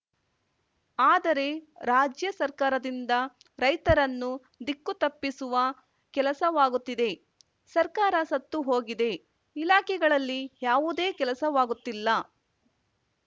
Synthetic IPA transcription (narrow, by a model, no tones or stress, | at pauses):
aːd̪ɐɾe̞ɾaːd͡ʒjɐsɐɾkaːɾɐd̪ind̪ɐ | ɾɐjt̪ɐɾɐnːu | d̪ikːut̪ɐpːisuʋɐ | kɛlɐsɐʋaːɡut̪ːid̪e̞ | sɐɾkaːɾɐsɐt̪ːuɦo̞ːɡid̪e̞ː | laːkʰɛɡɐɭɐlːijaːʋud̪e̞ːkɛlɐsɐʋaːɡut̪ːilːɐ